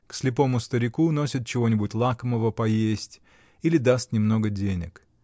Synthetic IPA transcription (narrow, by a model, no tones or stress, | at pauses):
ksʲlʲɪpo̞mʊst̪əɾʲɪkuno̞sʲɪt̪̚t͡ɕɪvo̞nʲɪbʊtʲlˠakəməvəpɐjesʲtʲ | ilʲɪd̪ast̪nʲɪmno̞ɡədʲenʲɪ̰k